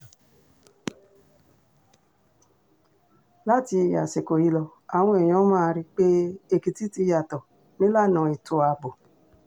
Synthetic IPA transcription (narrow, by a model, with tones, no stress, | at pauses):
la˦ti˧˨ja̰˨se˨ko˨i˦lɔ˨ | a˨ŋʷ˦e˨ɲɔ̃˦ma˦˨˦ɾi˦k͡pe˦e˨ki˨ti˦ti˧˦ja˨tɔ˨ | me˦la˦˨nɔ̃˨i˨tu˨a˨bo˨